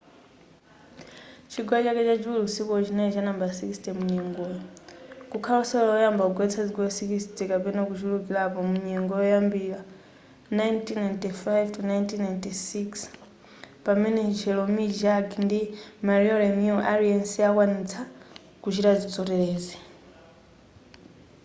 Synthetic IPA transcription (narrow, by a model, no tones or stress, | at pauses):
t͡ʃʰiɡwat͡ʃakɛt͡ʃad͡ʒiulusikɔt͡ʃinat͡ʃanambasikistɛmuɲɛŋɡɔːjɔkukʰalɔsɛlɔlaɔjambauɡwɛt͡sʰad͡zikɔsikisitɛkapɛnakut͡ʃulukilapɔmuɲɛŋɡɔjɔjambila | najntʰinantifajvtʰunajntʰinajntisiks | pamɛnɛt͡ʃʰɛlɔmid͡ʒaɡndimaɾiɔlɛnuʔaɾiɛnsiakwanit͡sʰa | kut͡ʃiɾad͡zit͡sʼɔtɛlɛːzɛ